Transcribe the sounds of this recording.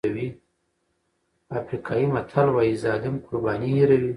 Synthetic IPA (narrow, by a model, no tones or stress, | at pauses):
awi | afɾikʰɑjimat̪ʰalwɑjizɑd̪ɪmkʊɾbɑnihiɾawi